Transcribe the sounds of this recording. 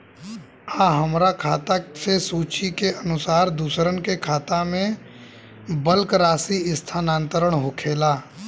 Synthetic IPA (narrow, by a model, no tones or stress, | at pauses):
aːɦəmɾakʰaːt̪asesuːt͡ʃikeʔənʊsaːɾd̪uːsɾənkekʰaːt̪amẽ | bəlkɾaːsiɪst̪ʰaːnãːnt̪əɾəɳɦokʰeːlaː